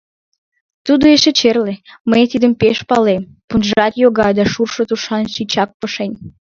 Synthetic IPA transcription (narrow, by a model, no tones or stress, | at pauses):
t̪ud̪oeʃet͡ɕerlemejt̪id̪əmpeʃpɑlem | punʒɑt̪joɣɑjd̪ɑʃurʃot̪uʃɑnʃit͡ɕɑk̚pəʃenʲ